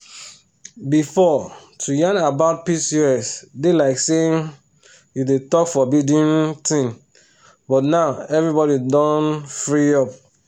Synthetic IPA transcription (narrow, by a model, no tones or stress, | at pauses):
bifɔtʰujãnabaʊt̚pisiɛsdelaɪkseiŋ | judetɔkfɔbidĩntĩŋ | bɔtnaʊɛvɹibɔɾidɔ̃nfɹiɔp̚